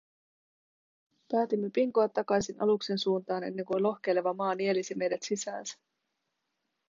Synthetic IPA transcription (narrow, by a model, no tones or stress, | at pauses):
pæːt̪imːepiŋkoɑt̪ːɑkɑjsinʔɑ̰lukse̞nsuːnt̪ɑːne̞̰nːe̞ŋkulo̞hk̟e̞jle̞ʋɑmɑːnie̞lisime̞jdet̪sisæːnsæ̥